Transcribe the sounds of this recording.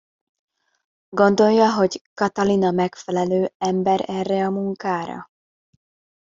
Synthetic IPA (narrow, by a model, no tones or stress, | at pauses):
ɡo̞nd̪o̞jːɒɦo̞ɟkɒt̪ɒlinɒmɛkfɛlɛløːɛmbɛɾɛrːɛɒmuŋkaːɾɒ̰